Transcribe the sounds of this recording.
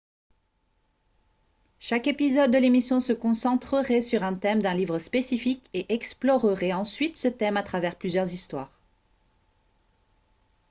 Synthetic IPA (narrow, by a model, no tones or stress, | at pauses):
ʃakepizɔd̪ːəlemisjɔ̃səkɔ̃sɑ̃t̪χəʁɛsyʁɛ̃t̪ɛmd̪ɛ̃livʁəspesifikeʔɛksplɔʁəʁɛɑ̃sɥit̪sət̪ɛmat̪χavɛʁplyzjœʁzist̪waːʁ